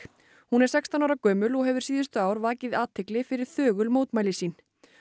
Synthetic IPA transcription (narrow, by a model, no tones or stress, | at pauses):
hunɛɾsɛkst̪anawɾakœːmʏlɔɣɦɛvʏɾ̥siːðʏst̪ʏaːwɾvaːcɪðaːt̪ʰɛklɪfɪɾɪɾ̥θœːɣʏlmoːwt̪majlɪsiːn